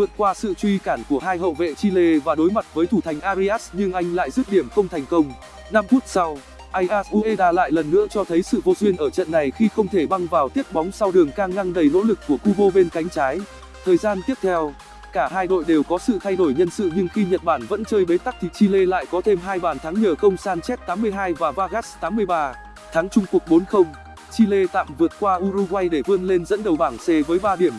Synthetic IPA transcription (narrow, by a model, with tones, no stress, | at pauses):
vɨ̰˧˨ənkwaː˧sɨ̰˧˨t͡ɕwi˧kaː˧˩nku˧˩əɦaː˧jɦə̰˧˨wvḛ˧˨t͡ɕi˧le˧vaː˨˩ɗo˨˦jma˨˩t̚vəː˨˦jt̪ʰu˧˩t̪ʰa˨˩jŋ̟ʔaː˧zi˧ʔaː˦˥s̚ɲɨ˧ŋʔa˧jŋ̟la̰ː˧˨jzɨ̰˦˥p̚ɗi˧˩əmxə˧wŋ͡mt̪ʰɛ˨˩ŋ̟kə˧wŋ͡m | na˧mfu˦˥ət̚sa˧w | ʔa˧jʔa˦˥sʔu˧ʔe˧ɗaː˧la̰ː˧˨jlə˨˩nːɨ̰˧˥ət͡ɕɔ˧t̪ʰə˨˦jsɨ̰˧˨vo˧zwi˧ənʔəː˧˩t͡ɕə̰˧˨nːa˨˩jxi˧xə˧wŋ͡mt̪ʰe˧˩ɓa˧ŋvaː˨˩wt̪i˦˥ət̚ɓɔ˨˦wŋ͡msa˧wɗɨ˨˩əŋkaː˧ŋːa˧ŋɗə˧˩jno̰˧˥lɨ˨˩k̚ːu˧˩əku˧ɓo˧ɓe˧nka˨˦jŋ̟t͡ɕaː˨˦j | t̪ʰəː˨˩jzaː˧nt̪i˦˥əp̚t̪ʰɛ˧w | kaː˧˩ɦaː˧jɗo̰˧˨jɗe˨˩wkɔ˨˦sɨ̰˧˨t̪ʰa˧jɗo˧˩jɲə˧nsɨ̰˧˨ɲɨ˧ŋxi˧ɲə˨˩t̚ɓaː˧˩nvə̰˧˥nt͡ɕəː˧jɓe˨˦t̪a˦˥k̚t̪ʰi˨˩t͡ɕi˧le˧la̰ː˧˨jkɔ˨˦t̪ʰe˧mɦaː˧jɓaː˨˩nt̪ʰa˨˦ŋɲəː˨˩xə˧wŋ͡msaː˧nt͡ɕɛ˦˥t̚t̪aː˨˦mːɨ˧əjɦaː˧jvaː˨˩vaː˧ɣaː˦˥st̪aː˨˦mːɨ˧əjɓaː˧ | t̪ʰaː˨˦ŋt͡ɕʊ˧ŋ͡mku˨˩ək̚ɓo˨˦nxə˧wŋ͡m | t͡ɕi˧le˧t̪a̰ː˧˨mvɨ˨˩ət̚kwaː˧ʔu˧ɾu˧ɣwa˧jɗe˧˩vɨ˧ənle˧nzə̰˧˥nɗə˨˩wɓaː˧˩ŋse˨˦vəː˨˦jɓaː˧ɗi˧˩əm